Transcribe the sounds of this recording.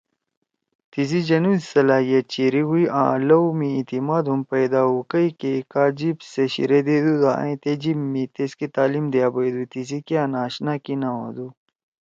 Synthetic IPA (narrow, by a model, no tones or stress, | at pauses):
t̪is̬id͡ʑɐnũzsɐlaːɦijɐt͡ɕiːɾiɦuiʔã̰ːlɐwmiĩt̪imaːd̪ɦumpɐjd̪aːɦukɐikekaːd͡ʑibseɕḭɾed̪eːd̪ud̪ã̰ĩt̪ed͡ʑibmːit̪eskit̪aːlimd̪ejaːbɐid̪ut̪is̬ikeanaːɕnakinaɦo̰ːd̪u